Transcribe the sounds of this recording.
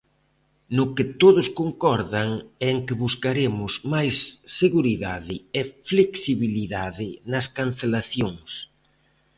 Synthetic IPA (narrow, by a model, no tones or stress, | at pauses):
nʊkɪt̪oðʊskoŋkɔɾðaŋeŋkɪβuskaɾemʊsmajsːeɣuɾiðaðɪefleksiβiliðaðɪnɐskan̟θelaθjoŋs